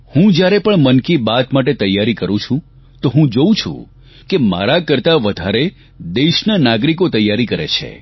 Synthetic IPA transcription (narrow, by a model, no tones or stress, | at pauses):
hũd͡ʒjaɾepəɳmənkibat̪maʈet̪əjːaɾikəɾũt͡ʃʰũ | t̪oɦũd͡ʒoũt͡ʃʰṵ̃ | kema̰ɾakəɾt̪aʋəd̪ʱaɾe | d̪eʃnənaɡɾikot̪əjːaɾikəɾḛt͡ʃʰḛ